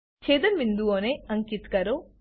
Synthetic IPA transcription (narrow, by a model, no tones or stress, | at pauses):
t͡ʃeːd̪ɐnʋind̪uoːneːɐŋkit̪kaːɾoː